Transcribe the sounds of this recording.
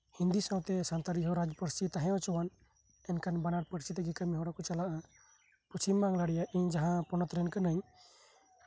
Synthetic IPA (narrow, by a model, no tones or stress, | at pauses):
hind̪isawt̪ɛsant̪aɾiɦɔɾad͡ʒpəɾsit̪aɦɛ̃ɔ̃t͡ʃɔwan | ɛnkanbanaɾpəɾsit̪ɛɡɛkamiɦɔɽakɔt͡ʃalaʔa | put͡ʃimːaŋlaɽɛjaʔiɲd͡ʒaɦãpɔnɔt̪ɾɛnkanəɲ